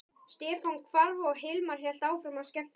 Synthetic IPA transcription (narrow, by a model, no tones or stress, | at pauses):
st̪ɛːfɔwnkʰvaɾvaɔɣɦɪlmaɾ̥hjɛl̥t̪aːwfɾamascɛm̥t̪